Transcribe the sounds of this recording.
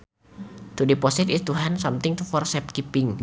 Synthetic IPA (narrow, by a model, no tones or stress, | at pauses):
t̪udipɔsit̪it̪uɦansamt̪ɪŋt̪ufɔrsɛp̚kipɪŋ